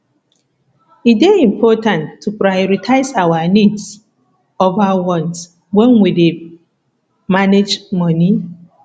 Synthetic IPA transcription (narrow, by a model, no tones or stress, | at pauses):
it̚deĩmpʰɔtãntʰːupɾajɔɾitʰaɪsawanids | ovawɔ̃ns | wɛnwide | maned͡ʒmɔni